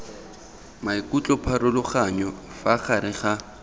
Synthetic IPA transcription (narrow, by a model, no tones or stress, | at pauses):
maikut͡ɬʼɔpʰarʊlʊχaɲɔ | faχaɾɪχa